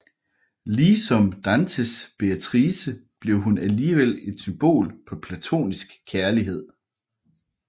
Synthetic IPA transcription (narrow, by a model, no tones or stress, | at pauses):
liːsɒ̽md̥ænsʰəsb̥eæt͡sʰʁiːsəb̥le̝ʊɦunæliːʋel̰e̝d̥symb̥o̝̰ːlpʰɒ̽pʰlæt͡sʰo̝̰ːnisɡ̥kʰːæɐliɦe̝ð̞̰ˠ